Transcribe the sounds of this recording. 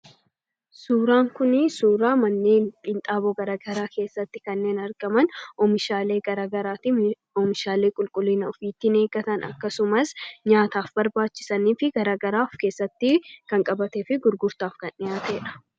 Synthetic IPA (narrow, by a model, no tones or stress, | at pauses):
suːɾaːŋkʊnɪsuːɾaːmɐnːiːkʼɪnt̪ʼaːboːɡɐɾaːɡɐɾaːke̞ːsːɐt̪ːɪkɐnːe̞ːnɐɾɡ̥ɐmɐnɔmɪʃaːle̞ːɡɐɾaɡɐɾaːt̪i | ɔmɪʃaːle̞ːkʼʊlkʼʊlːɪnɐɔfiːt̪ːɪne̞ːɡɐt̪ɐnɐ̰kːɐsʊmɐsɲaːt̪aːfbɐɾbaːt͡ʃːɪ̥sɐniːfɪɡɐɾaːɡɐɾaːfke̞ːsːɐt̪ːɪkɐŋkʼɐbɐt̪eːfɪɡʊɾɡʊɾt̪aːfkɐnɪjaːt̪eːᶑɐ̥